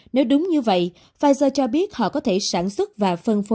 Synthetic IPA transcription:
ne˨˦wɗʊ˨˦ŋ͡mɲɨ˧və̰˧˨j | vaː˧jzəː˧t͡ɕɔ˧ɓi˦˥ət̚hɔ̰˧˨kɔ˨˦t̪ʰe˧˩saː˧˩nswə˦˥t̚vaː˨˩fə˧nfo˨˦

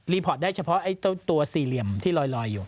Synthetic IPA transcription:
liː˧pʰɔː˨˩t̪̚daː˥˩jt͡ɕʰa˧pʰɔ˦˥ʔa˥˩jt̪t̪u˧ɐsiː˨˩li˨˩əmt̪ʰiː˥˩lɔː˧jlɔː˧jːuː˨˩

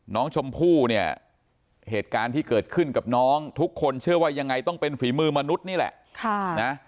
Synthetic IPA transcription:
nɔː˦˥ŋt͡ɕʰo˧mpʰuː˥˩ni˥˩ɐ | heː˨˩t̪̚kaː˧nt̪ʰiː˥˩kɤː˨˩t̪̚kʰɯ˥˩nka˨˩p̚nɔː˦˥ŋt̪ʰu˦˥kʰːo˧nt͡ɕʰɯ˥˩ɐwaː˥˩ja˧ŋːa˧jt̪ɔ˥˩ŋpe˧nfiː˩˦mɯː˧ma˧nu˦˥t̪̚niː˥˩lɛ̰˨˩ʔkʰa˥˩na˦˥

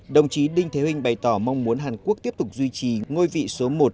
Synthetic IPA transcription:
ɗə˨˩wŋ͡mt͡ɕi˨˦ɗï˧ŋt̪ʰe˨˦wï˧ŋ̟ɓa˨˩jt̪ɔ˧˩ma˧wŋ͡mmu˨˦ənɦaː˨˩nku˦˥əkt̪i˦˥əp̚t̪ʊ˨˩k͡p̚zwi˧t͡ɕi˨˩ŋo˧jvḭ˧˨so˨˦mo˨˩t̚

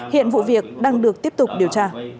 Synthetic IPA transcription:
hḭ˧˨ənvṵ˧˨vi˨˩ək̚ɗaː˧ŋɗɨ˨˩ək̚t̪i˦˥əp̚t̪ʊ˨˩k͡p̚ɗi˨˩əwt͡ɕaː˧

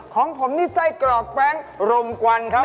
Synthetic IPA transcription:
kʰɔː˩˦ŋpʰo˩˦mt̪iː˥˩sa˥˩jkɾɔː˨˩k̚pɛ˦˥˩ŋɾo˧mkwa˧nkʰa˦˥

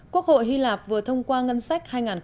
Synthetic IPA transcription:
ku˦˥ək̚ho̰˧˨jɦi˧laː˨˩p̚vɨ˨˩ət̪ʰə˧wŋ͡mkwaː˧ŋə˧nsa˦˥jk̚haː˧jŋaː˨˩n

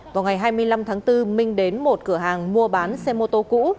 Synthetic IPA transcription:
vaː˨˩wŋa˨˩jɦaː˧jmɨ˧əjla˧mt̪ʰaː˨˦ŋt̪ɨ˧mï˧ŋ̟ɗe˨˦nmo˨˩t̚kɨ˧˩əɦaː˨˩ŋmu˧əɓaː˨˦nsɛ˧mo˧t̪o˧kṵ˧˥

